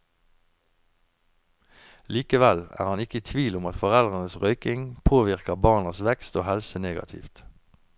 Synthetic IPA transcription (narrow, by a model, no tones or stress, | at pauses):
liːkəʋælæ̰ːʁhɑnɪkəiːt̪ʰʋiːlʊmɑt̪fɔʁɛlʁənəsʁœʏkɪŋpʰoːʋɪʁkəʁbɑːʁnɑsʋɛkst̪oːhɛlsəneːɡɑ̰t̪ʰɪ̰ft̪